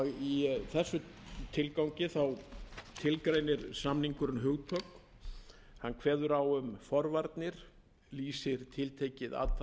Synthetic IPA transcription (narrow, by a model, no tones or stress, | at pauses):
ɣiθɛsːʏt̪ʰɪlkawɲcɪθawt̪ʰɪlkɾeːjnɪɾsamniŋkʏɾʏnɦʏːɣt̪ʰœk | hanːkʰvɛːðʏɾawʏmfɔɾvaɾt̪nɪɾ̥ | liːsɪɾ̥t̪ʰɪlt̪ʰejcɪða̰ːt̪a